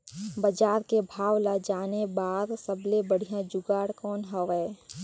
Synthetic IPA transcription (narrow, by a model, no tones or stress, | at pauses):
bəd͡ʒaːɾkebʱaːwlad͡ʒaːnebaːɾsəblebəɽ̤ijãd͡ʒʊɡaːɽkɔːnɦɔʋɛː